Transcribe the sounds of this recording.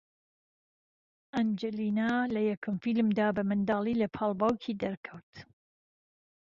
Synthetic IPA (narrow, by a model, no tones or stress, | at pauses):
ʔɐnd͡ʒɛlinalɐjɐkʰɨmfilmd̪aːbɐmɨnd̪aːliːlɐpʰaːlˠbawkʰid̪ɐɾkʰɐwt̪